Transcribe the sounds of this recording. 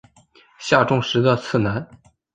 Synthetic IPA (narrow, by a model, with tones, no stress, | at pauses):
ɕja˥˧ʈ͡ʂʊ˥˧ŋʂɻ̩˧˥d̪ə˧t͡sʰɹ̩˥˩na˧˥n